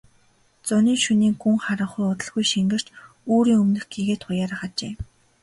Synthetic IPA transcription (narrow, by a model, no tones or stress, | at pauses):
t͡sʊniːŋʃuniːŋɡuŋχaɾə̆ɴχʊjʊt̪ə̆ɮɣujʃiŋɡɘ̆r̥t͡ɕ | oːɾiːŋɵmnɘ̆xɡiɣeːt̪χʊjaːɾaːχat͡ɕḛː